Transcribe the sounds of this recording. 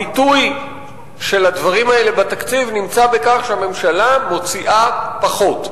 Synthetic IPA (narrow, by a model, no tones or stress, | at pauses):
ituj | ʃe̞lad̪vaʁimaele̞bat̪akt͡sivnimt͡sabe̞kaχʃeame̞mʃalamo̞t͡siʔapaχo̞t